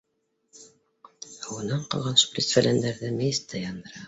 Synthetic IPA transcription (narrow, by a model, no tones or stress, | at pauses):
ɑwɤ̆nɑɴqɑ̰lˠʁɑnsu̥prʲisfælʲænd̪æɾðɘmæjɘ̆st̪ʰːæjɑnd̪ɤ̆ɾɑ